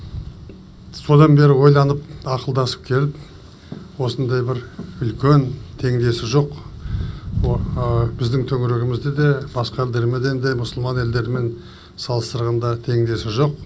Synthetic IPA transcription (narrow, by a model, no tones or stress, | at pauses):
so̞d̪ɑnbe̞ɾɪwo̞jlˠɑnəpɑqəlˠd̪ɑsə̥p̚kʲʰe̞lɪp̚ | wo̞sənd̪ɑjbɪɾʏlkʲe̞nt̪ʰe̞ŋd̪e̞sɪʒo̞q | bɪzd̪ɪŋt̪ʰɵŋɪɾeɡʲɪmɪzd̪ed̪e̞bɑsqɑd̪eɾmed̪e̞nd̪emʊsəlˠmɑne̞ld̪e̞ɾɪme̞n | sɑlˠəst̪əɾʁɑnd̪ɑt̪ʰe̞ŋd̪e̞sɪʒo̞q̚